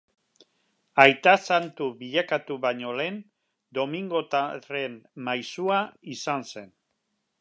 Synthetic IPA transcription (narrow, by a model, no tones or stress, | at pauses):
ajt̪asant̪uβiʎakat̪uβaɲo̞le̞n | d̪o̞miŋɡo̞t̪are̞mmajsuaisanse̞n